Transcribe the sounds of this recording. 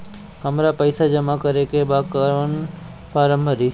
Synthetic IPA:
həmɾapəɪsad͡ʒəmakəɾekebaːkaʋən | faːɾəmbʱəɾiː

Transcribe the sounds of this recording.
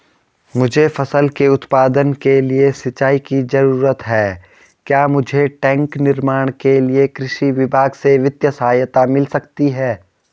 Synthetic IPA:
mʊd͡ʒʱefɐsəlkeʊt̪paːd̪ənkeliesɪt͡ʃːaːikizɐɾuːɾət̪ɦɛː | kjaːmʊd͡ʒʱeʈɛ̃ːŋknɪɾmaːɽ̃keliekɾɪʃiʋɪbʱaːɡseʋɪt̪jəsɐɦaːjət̪amɪlsɐkt̪iɦɛː

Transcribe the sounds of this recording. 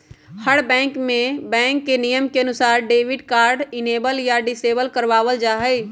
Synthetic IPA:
həɽbɛ̃ːŋkmẽbɛ̃ːŋkːenijəmkeənʊsaːɾɖeːʋɪɖkaːɾɖɪneːbəljaɖɪseːbəlkəɾʋaːʋəld͡ʒaːɦəɪ

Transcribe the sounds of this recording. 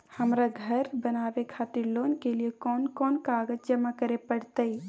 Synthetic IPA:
həmɾaɡʱəɾbənabekʰat̪iɾlonkelijekɔnkɔːnkaɡəd͡ʒd͡ʒəmakəɾepəɽt̪əj

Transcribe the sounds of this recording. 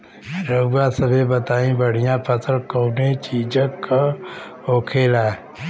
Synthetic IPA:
ɾəːãːsəbʱeːbət̪aːĩːbəɽ̤ɪjãːpʰət̪ʰəɾkoːneːt͡ʃiːd͡ʒək | oːkʰeːlaː

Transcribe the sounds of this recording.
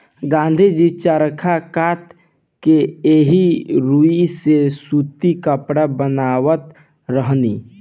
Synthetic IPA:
ɡãːnd̪ʱid͡ʒit͡ʃaɾəkʰakat̪ | keeɦiɾuisesut̪ikəpɽabənaːwət̪ | ɾəɦnḭ

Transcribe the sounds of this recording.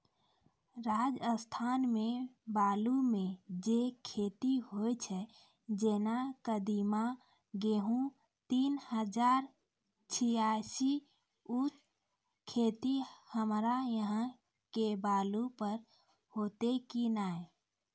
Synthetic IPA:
ɾad͡ʒəst̪ʰanmẽbalumẽd͡ʒekʰet̪iɦojt͡ʃʰɛ | d͡ʒenakəd̪ima | ɡeɦũ | t̪iːnhəd͡ʒaːɾ | t͡ʃʰijasi | ut͡ʃ | kʰet̪ihəmɾajəɦə̃ | kebaːlupəɾ | hot̪ekinaːe

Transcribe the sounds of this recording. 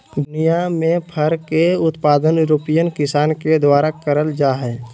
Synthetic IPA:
d̪ʊnijamẽpʰəɾkeʊt̪paːd̪ənjʊɾoːpijənkɪsaːnked̪waːɾakəɾəld͡ʒaːɦɛː

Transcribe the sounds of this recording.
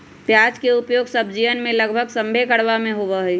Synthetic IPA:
pjaːd͡ʒkeʊpjoːɡsəb̚ʱd͡ʒiʋənmẽləɡbʱəɡsə̃mbʱekəɽʋamẽɦoʋəɦɛi

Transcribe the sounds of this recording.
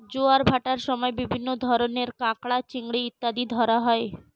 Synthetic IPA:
d͡ʒoaɾbʱaʈaɾsɔmɔebibʱinːod̪ʱɔɾɔneɾkãkɭat͡ʃiŋɡɽiːt̪ːad̪id̪ʱɔɾaɦɔe

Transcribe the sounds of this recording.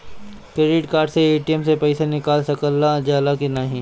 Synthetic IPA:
kɾeːɾɪʈkaːɾɖseeːʈijəmsepɛɪsenɪkaːlsɐkəlːad͡ʒaːlakinaːɦĩː

